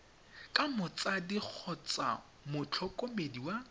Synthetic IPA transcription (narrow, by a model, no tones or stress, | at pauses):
kʼamʊt͡sʼadik͡xʰɔt͡sʼa̰ | mʊt͡ɬʰɔkʼomediwa